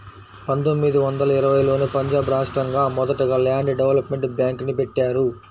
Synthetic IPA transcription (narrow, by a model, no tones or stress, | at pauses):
pɐnt̪omːid̪iʋɐnd̪ɐlɐiɾɐʋɐjlo̞ːnipɐɲd͡ʒaːbɾaːʂʈɾɐŋɡaːmɔd̪ɐʈɐɡɐːlaːɳɖɖɛʋɐlɐpme̞ɳʈbjaːŋknipeʈːaːɾu